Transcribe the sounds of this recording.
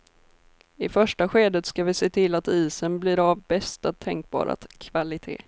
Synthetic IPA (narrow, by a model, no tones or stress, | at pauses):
ɪfœʂʈaɧeːd̪ət̪skavɪseːt̪ʰɪlːat̪iːsənblɪːɾavbɛst̪at̪ʰɛŋk̚bɑ̰ːɾa̰kʰvalɪt̪ʰḛː